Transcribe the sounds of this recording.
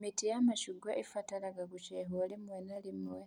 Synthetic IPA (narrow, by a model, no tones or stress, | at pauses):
mitijamaʃuɡwaʔifatalaɡaɡut͡ʃeɦolimwenalimwe